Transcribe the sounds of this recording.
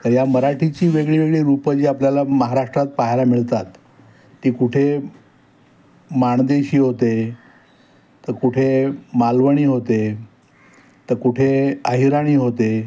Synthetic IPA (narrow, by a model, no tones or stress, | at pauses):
t̪əɾjaməɾaʈʰit͡ɕiːʋeɡɭiːʋeɡɭiːɾupəd͡ʑiːapljalaməɦaɾaʂʈɾat̪̚paɦalamiɭt̪at̪ː | iːkuʈʰe | maɳd̪eɕiːɦot̪e | t̪əɾkuʈʰemalʋəɳ̃iːɦot̪e | t̪əɾkuʈʰeaɦiɾaɽ̃iːɦot̪e